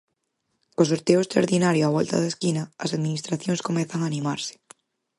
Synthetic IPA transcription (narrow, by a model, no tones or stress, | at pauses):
kõs̬oɾt̪eoest̪ɾaɾðinaɾjoaβ̞ɔlt̪a̰ðaskinaːsaðmĩnist̪ɾaθjoŋskomeθaŋaːnĩmaɾse̥